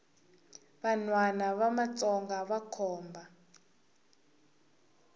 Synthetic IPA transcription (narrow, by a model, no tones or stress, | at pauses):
βanwanaβamat͡sʼɔŋɡaβakʰɔːmbʱa